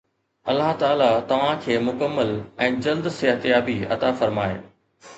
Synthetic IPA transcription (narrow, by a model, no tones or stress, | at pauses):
ɐlːaɦt̪aːlat̪ɐʋ̤ãkʰeːmʊkəmːəlɛ̃ːd͡ʑɐld̪seɦət̪jaːbiɐ̰t̪afɐɾmaːḛː